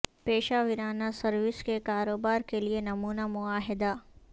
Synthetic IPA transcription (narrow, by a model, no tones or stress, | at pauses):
peːʃaʋɪɾaːnasɐɾʋɪskekaːɾoːbaːɾkelienɐmuːnamʊaːɦɪd̪a